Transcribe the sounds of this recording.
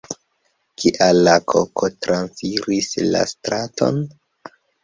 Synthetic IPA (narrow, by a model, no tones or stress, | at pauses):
kʰiʔalːakʰokotɾansfiɾisla̰stɾatʰo̞̰n